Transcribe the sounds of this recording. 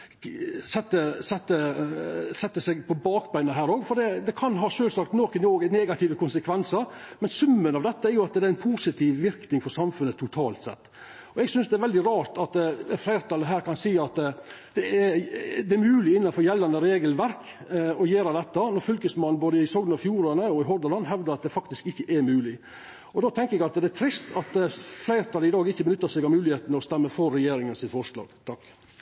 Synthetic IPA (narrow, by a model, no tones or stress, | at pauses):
sɛt̪ːəsɛt̪ːə | sɛt̪ːəsɛɡpʰɔbɑːkbæɪnəɦæːɾoːɡfɔd̪ɛd̪ɛkʰɑnɦɑːʂøːlsɑk̚t̪noːkənoːɡnɛːɡɑt̪ʰɪːʋəkʰʊnsəkʰʋɛnsəɾmɛnsʉmːənɑʋd̪ɛt̪ːəæɾjʊɑt̪d̪ɛɾæɪnpʰusɪt̪ʰɪʋʋɪɾknɪŋfɔɾsɑmfʉnət̪ʰːʊt̪ʰɑ̰ːlt̪sɛ̰t̪ː | ɔɛɡsʏnsd̪ɛæɾʋɛld̪ɪɾɑːɾt̪ɑt̪flæɪɾt̪ʰɑlːəɦæːɾkʰɑnsiːɑt̪d̪̥ɛɛd̪ɛæɾmʉːlɪɪnːɑnfɔɾjɛlːɑnəɾeːɡəlʋæɾk | ɔjeːɾɑd̪ɛt̪ːɑnɔɾfʏlkəsmɑnboːd̪əɪsɔːɡ̪ɑfjuːɾɑnəɔɪɦɔɾd̪əlɑnːɦɛʋd̪əɾɑt̪̚d̪ɛfɑkt̪ɪskɪçːəʔɛɾmʉːlɪ | ɔd̪oːt̪ʰɛŋkəɾɛɡɑt̪d̪ɛæt̪ʰɾɪst̪ɑt̪flæɪɾt̪ɑləɪd̪ɑːɡɪçːəbənʏt̪ːɑsɛɡɑmʉːlɪheːt̪nəɾɔst̪ɛmːəfɔɾːɛjeːɾɪŋənsɪt̪fɔʂlɑ̰ːɡ̥t̪ʰɑkː